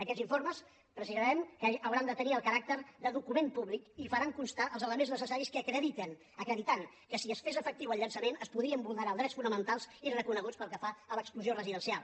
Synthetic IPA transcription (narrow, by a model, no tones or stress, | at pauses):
əkɛziɱfoɾməs | pɾəzizɛmkəəwɾand̪ət̪əniəlˠkəɾak̚t̪əɾðəðukumempuβlikifəɾaŋkunst̪aəlˠzələmenznəsəsaɾiskəkɾəðit̪ən | əkɾəðit̪aŋ | kəsiəsfezəfək̚t̪iwəlˠʎənsəmenəspuðɾiəmbulˠnəɾalˠd̪ɾɛtsfunəmənt̪alˠzirəkunəɣut͡spəlˠkəfaələkskluziorəziðənsialˠ